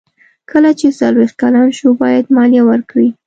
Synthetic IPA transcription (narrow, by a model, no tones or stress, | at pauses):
kʰəlat͡ʃesalwext̪̚kalɑnʃubɑjad̪mɑljawəɾkɽi